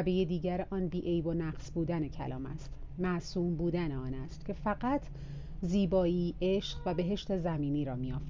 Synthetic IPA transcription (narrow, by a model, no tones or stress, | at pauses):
be̞jed̪iːɟæɾʔɒːnbiːʔejbonæqsbuːd̪æne̞cʰæ̰lɒːmæ̰st̪mæʔsuːmbuːd̪æneɒːnæst̪cʰe̞fæɢæt̪ʰ | ziːbɒːiːʔeʃɢvæbe̞ɦe̞ʃt̪e̞zæmiːniːɾɒːmijɒːf